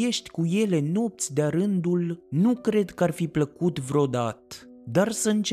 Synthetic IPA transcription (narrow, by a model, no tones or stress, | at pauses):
e̞ʃt̪ʲkuje̞le̞no̞p̚t̪sʲd̪eaɾɨnd̪ulnukɾe̞d̪kəarfipləkut̪vɾeo̞d̪at̪d̪arsəɨnt͡ʃ